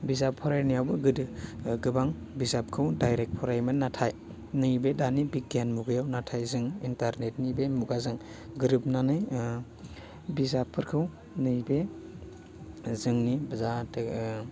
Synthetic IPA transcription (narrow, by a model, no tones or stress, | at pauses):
bizapʰɔɾajnijawbɯɡɯdɯɡɯbaŋ | bizap̚kʰɯwdajɾek̚pʰɔɾajmɯnːatʰaj | nɯjbedanibik̚ɡenmuɡɯjawnatʰajzɯŋintaɾnet̚nibemuɡazɯŋ | ɡɯɾɯp̚nanɯj | bizapʰːɯɾkʰɯw | nɯjbe | zɯŋnibɐzatɯ